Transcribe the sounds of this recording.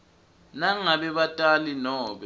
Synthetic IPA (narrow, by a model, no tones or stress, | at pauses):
naŋaβɛβatʼalinɔːɓɛ